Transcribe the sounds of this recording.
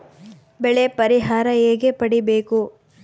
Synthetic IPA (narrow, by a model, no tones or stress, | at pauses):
bɛɭepɐɾiɦaːɾɐeːɡepɐɽibeːku